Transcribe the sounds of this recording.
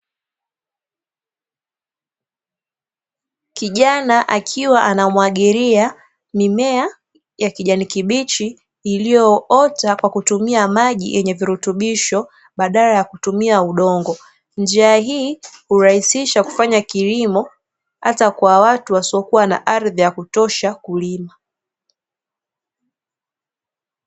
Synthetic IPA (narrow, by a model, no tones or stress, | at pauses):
kiʄanaʔakʰiwaʔanamwaɠiɾia | mimɛa | jakiʄanikiɓit͡ʃiː | lijɔɔtakwakutumiamaʄḭjʔɛɲɛviɾutuɓiʃɔ | ɓaɗalajakutumiauɗɔŋɡɔ | nd͡ʒiaɦiːhuɾahisiʃaku̥faɲakilimɔ | hatakwawatuwasiɔkuwana̰ʔaɾðijakutɔʃakulima